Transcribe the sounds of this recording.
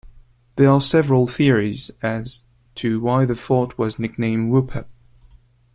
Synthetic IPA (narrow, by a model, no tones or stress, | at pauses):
ðəəsɛvəɹəl̩ˠθɪəɹizɨz̥ | tʰɨwaɪðɨθɔɹt̚wʌznɪk̚nẽɪ̃mwʉpʰɛp̚